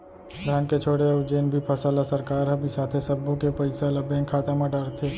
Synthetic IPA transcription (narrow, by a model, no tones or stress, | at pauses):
ɾaːnket͡ʃʰoːɽeɔːɾd͡ʒeːnbʱipʰɐsaːlasɐɾkaːɾɦɐbʱisaːt̪ʰesɐbõkepɐɪselɐbẽːŋkʰaːt̪amãɖaːɽt̪ʰeː